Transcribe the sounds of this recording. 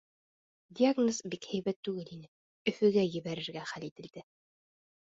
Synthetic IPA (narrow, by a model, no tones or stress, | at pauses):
dʲiaɡnozbikhɘ̆jβæt̪ːʉɡɘlinɘ | ɵ̆fɵ̆ɡæjɘ̆βæɾɘ̆ɾɡæχælit̪ɘ̆ld̪ɘ